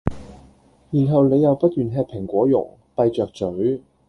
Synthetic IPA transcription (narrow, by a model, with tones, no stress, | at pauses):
jiː˨˩nɦɐ˨wne˨˧jɐ˨wpɐ˥t̚jyː˨nɦɛː˧k̚pʰɪ˨˩ŋkʷwɔː˨˥jʊ̰˨˩ŋ | pɐ˧jt͡ʃœː˨k̚t͡ʃɵ˨˥ɥ